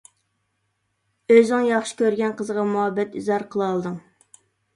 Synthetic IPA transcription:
øzɪŋjɑχʃi̥kʲøɾɡʲɛnqʰəzəʁɑmuɦɑbːɛt̪yzɑɾqʰəlˠɑlˠd̪ɨŋ

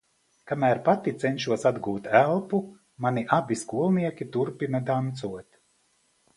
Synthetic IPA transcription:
kamæːɾpat̪it̪sɛnʃuɔsad̪ɡuːt̪ælˠpu | maniʔabiskuɔlˠniɛkʲit̪uɾpinad̪ant̪suɔt̪ʲ

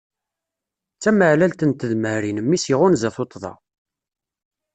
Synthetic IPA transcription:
t͡sːæməʕlælt̪ənt̪əðməɾinəmːisiʁʊnzæθot̪ˤːðˤɑ̰

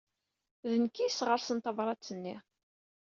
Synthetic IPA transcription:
ðənkːisʁəɾsənt̪ɑvɾˤɑt͡sːənːi

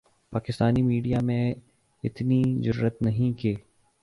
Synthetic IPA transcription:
paːkɪst̪aːnimiːɖijamẽ | ɪt̪nizʊɾːət̪nɐɦĩkeː

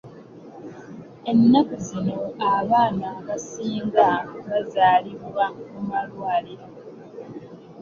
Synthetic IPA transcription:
e̞nːakuzino̞aβaːnaβasiːŋɡaβazaːliβwamumalwaːle

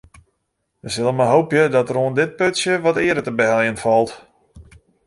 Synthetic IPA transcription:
ʋəsɪlˠəmaɦowpjədɔtəroəndɪt̚pøtsjəʋɔtɪədətəbəɦɛljənfɔlˠt

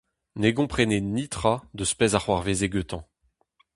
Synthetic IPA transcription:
neɡɔ̃pχenenit̪χad̪əspɛzaχwaʁvezeɡøt̪ɑ̃

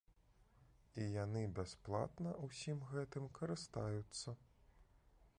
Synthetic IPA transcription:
ijanɨbʲasplˠa̰t̪nɐwsʲimɣɛt̪ɨmkʰɐɾɨst̪ajut̪sːɐ

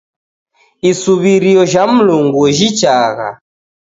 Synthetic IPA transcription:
isuβiɾiɔʒam̩luŋɡuʒit͡ʃaɣa̰

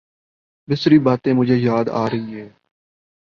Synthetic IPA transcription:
b̪ɪsɾiːbaːt̪ẽːmʊd͡ʒʱeːjaːd̪a̰ːɾəɦiːɦɛː

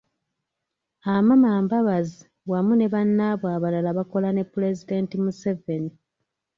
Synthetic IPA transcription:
amamaːmbaβazi | wamune̞βanːaβwaːβalalaβako̞lane̞pːule̞zide̞ntimuse̞ve̞ni

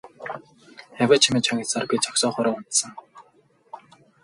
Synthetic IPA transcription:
æwʲaːt͡ɕʰimiːt͡ɕʰɔŋʲisarpʲit͡ɕɔksɔːχɔɾə̆ːʊn̥t̪sə̆ŋ

